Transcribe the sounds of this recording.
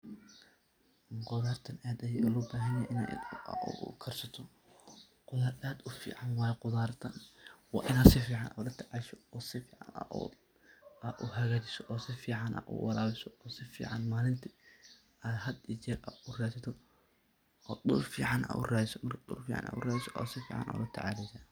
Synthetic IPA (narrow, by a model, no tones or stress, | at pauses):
qʊðaːrt̪ʰɐnaːd̪ɐjɛʊlɔːbaːɦɐnjɛʔɪna̰ʊ̰kʰɐrsɐt̪ʰɔ | qʊðaːɾaːd̪ʊfḭːʕɑnwɑːjɛqʊðaːrt̪ʰɐnwɑ̰ːʔɪnaːd̪sɪfiːʕɑnʔa̰ɾɐt̪ʰɐʕɑʃɔɔːsɪfiːʕɑ̰nɐ̰ | aʊɦɐɣaːt͡ʃɪsɔʔɔːsɪfiːʕɑnʔa̰ʔʊ̰wʔɑlaːwɪsɔɔːsɪfḭːʕɑnmaːlɪnt̪ʰi | ahɐd̪it͡ʃɛɾɐʊraːsɐt̪ʰɔ | ɔːɗʊlfḭːʕɑnʔa̰ʔʊ̰raːdɪsɔmɐrkʰɐdʊ̰lfiːʕɑ̰na̰ːʔʊraːdɪsɔʔɔ̰ːsɪfḭːʕɑ̰nʔa̰ːlɐt̪ʰɐʕaːlɛsaː